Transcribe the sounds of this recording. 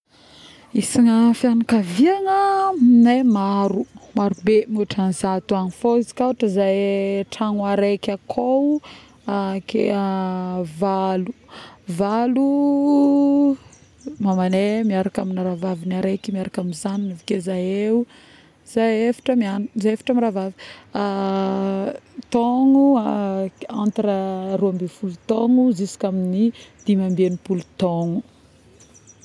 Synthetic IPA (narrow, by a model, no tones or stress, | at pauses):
isiŋəfjanakaviaŋənemaɾumaɾubemuʈ͡ʂanzat̪uanifozi̥kaʈ͡ʂəzajʈ͡ʂaŋwaɾekʲakʰow | akḛ | valu̥valu | mamanemiaɾakaminaɾavavinaɾekimiaɾakaminzaninivikezajeu | z̥ajefḁʈ͡ʂəmianzajefḁʈ͡ʂəmiɾavavia | t̪ɔŋuaant̪aɾəruambefulut̪ɔŋuzisi̥kʲaminid̪̥imambenipulut̪ɔŋu